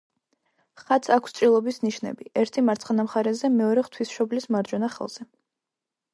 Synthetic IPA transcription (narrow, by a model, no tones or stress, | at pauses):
χat̪sʰakʰst̪sʼɾilˠɔbisniʃnɛ̰biɛɾt̪ʰimaɾt̪sʰχnamχaɾɛzɛmɛɔɾɛχt̪ʰwisʃɔblismaɾd͡ʒɔnaχɛ̰lˠz̥ɛ